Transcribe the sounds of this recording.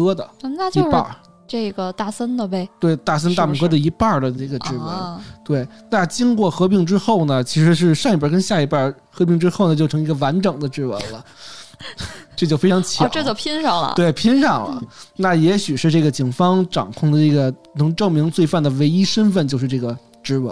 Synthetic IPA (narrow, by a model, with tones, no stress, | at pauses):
kɤ˥d̪ə̰˨˧˥na˥˧jo˧ʊ˥pa̰˥˧˩ | ʈ͡ʂe˥˩ɡə˩t̪a˥˩sə˥nd̪ə˧pe˥˩ɪt̪we˥˩ɪt̪a˥˩s̬ə˥nt̪a˥˩mu˨˩kɤ˥d̪ə˨i˧˥pa˥˧˩d̪ə˩ʈ͡ʂɤ˥˩ɡə˩ʈ͡ʂɻ̩˥˩wə̰˧˥nt̪we˥˩ɪna˥˩t͡ɕi˥ŋkwɔ˥˩xɤ˧˥p̬i˥˩ŋʈ͡ʂɻ̩˥xo˥˩ʊnə˩t͡ɕʰi˧˥ʂɻ̩˧˥ʂ̬ɻ̩˥˧ʂɑ˥˧ŋi˥˩pə˥˩k̬ə˥nɕja˥˩i˧˩pə˥˩ | xɤ˧˥pi˥˩˧ŋʈ͡ʂɻ̩˥xo˥˩ʊnə˩t͡ɕjo˥˩ʊʈ͡ʂʰɤ˧˥ŋi˧˥ɡə˧wa˧˥nʈ͡ʂɤ˨˩ŋd̪ə˦ʈ͡ʂɻ̩˥˩wə̰˧˥nlə˧ | ʈ͡ʂt͡ɕjʊfe˥ɪʈ͡ʂʰɑ˧˥ŋt͡ɕʰjɑ˧˨˧ʈ͡ʂɤ˥˩t͡ɕo˥˩pʰi˥nʂɑ˥˩lə̰˧t̪we˥˩ɪpʰi˥nʂɑ˥˩ŋlə̰˦na˥˩jɛ˧˥ɕy˨˩ʂɻ̩˥˧ʈ͡ʂɤ˥˩ɡə˩t͡ɕi˨˩ŋfɑ˥ŋʈ͡ʂɑ̰˨˩ŋkʰʊ˥˩ŋd̪ə˩ʈ͡ʂə˥˩ɡə˩ | nɤ˧˥ŋʈ͡ʂɤ˥˩ŋmi˧˥ŋt͡swe˥˧ɪfa˥˩nd̪ə˩we˧˥ɪi˥ʂə˥nfə˥˧nt͡ɕo˥˧ʂɻ̩˥˧ʈ͡ʂɤ˥˩ɡə˩ | ʈ͡ʂɻ̩˧˥wə̰˧˥˦